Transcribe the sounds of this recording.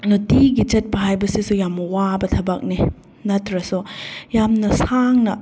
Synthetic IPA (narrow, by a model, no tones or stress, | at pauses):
nutiɡit͡ʃɐt̚pɐɦajbɐsisujamːɐwabɐtʰɐbɐk̚ni | nɐtɾɐsujamnɐsaŋnɐ